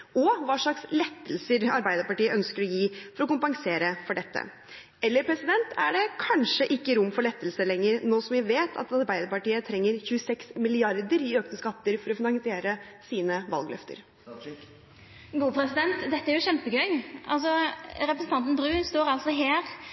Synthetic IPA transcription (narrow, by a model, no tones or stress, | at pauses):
ɔʋɑːʂɭɑkslɛt̪ːəlsəɾɑɾbæɪd̪əɾpɑʈiːəʔœnskəɾɔjiːfɔɾɔkʊmpɑŋseːɾəfɔɖɛt̪ːə̰ | ɛlːəɾpʰɾɛsɪd̪ɛnt̪ʰæɖɛkʰɑnʂəʔɪkːəɾʊmːfɔɭɛt̪ːəlsəlɛŋːəɾnoːsɔmʋɪʋeːt̪ʰɑ̰t̪ɑɾbæɪd̪əɾpɑʈiːət̪ʰɾɛŋːəɾçʉːəsɛksmɪlɪɑɾd̪əɾɪøːknəskɑt̪ːəɾfɔɾɔfɪnɑŋsɪeːɾəsiːnəʋɑ̰lɡlœ̰ft̪ʰə̰ɾ | ɡuːpʰɾɛsɪd̪ɛnt̪d̪ɛt̪ːəæɾjʊɕɛmpəɡœʏɑ̰lsɔɾɛpɾəsn̩t̪ʰɑnt̪n̩bɾʉːnst̪oːɾɑlt̪sɔɦeːɾ